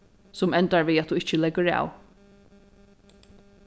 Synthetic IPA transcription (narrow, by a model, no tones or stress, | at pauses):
sʊmɛnt̪aɹviːat̪uɪt͡ʃəlɛkːəɹa̰w